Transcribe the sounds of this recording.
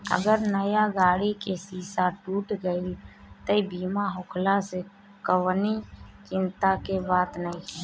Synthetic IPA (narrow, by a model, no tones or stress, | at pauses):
ə̰ɡəɾnəjaɡaːɽikesiːsaʈuːʈɡəil | t̪əibiːmaɦokʰlase | kəwnit͡ʃɪnt̪akebaːt̪nəĩ